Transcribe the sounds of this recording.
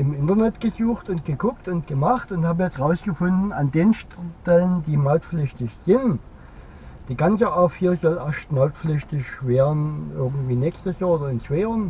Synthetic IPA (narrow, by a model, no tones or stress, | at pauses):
ʔɪmʔɪntɐnɛtɡ̥əzuːxtʊnt̚ɡ̥əɡʊktʊnt̚ɡ̥əmaχtʊnthaːbəjɛt͡stʁaʊsɡ̥əfʊndn̩andeːnʃtɛləndiːmaʊtflʏçtɪçz̥ɪn | d̥iːɡant͡səaɐfiːɐzɔlʔaʃtmaʊtflʏçtɪçveːɐdn̩ʔɪɐɡŋ̩tv̥iːnɛːkstəsooːdɐɪnt͡sv̥aːɪn